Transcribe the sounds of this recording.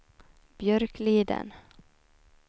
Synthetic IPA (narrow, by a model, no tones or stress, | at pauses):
b̥jœɾkliːd̪ə̰n